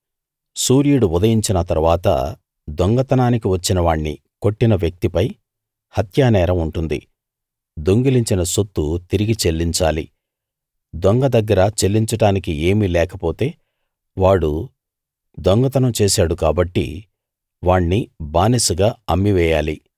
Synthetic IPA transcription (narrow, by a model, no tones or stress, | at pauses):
suːɾijuɽuud̪ɐjiɲt͡ʃinɐt̪ɐɾʋaːt̪ɐ̰ | d̪ɔŋɡɐt̪ɐnaːnikiʋɐt͡ʃːinɐʋaːɳːi | ko̞ʈːinɐʋjɐk̚t̪ipɐj | hɐt̪jaːnɛːɾɐmuɳʈund̪ḭ | d̪o̞ŋɡiliɲt͡ʃinɐsot̪ːut̪iɾiɡit͡ʃelːiɲt͡ʃaːlḭ | d̪ɔŋɡɐd̪ɐɡːɐɾɐt͡ʃe̞lːiɲt͡ʃɐʈaːnikie̞ːmilɛːkɐpoːt̪e̞ː | ʋaːɽu | d̪ɔŋɡɐt̪ɐnɐmt͡ʃeːsaːɽukaːbɐʈːḭ | ʋaːɳːibaːnisuɡaːɐmːiʋɛːjaːli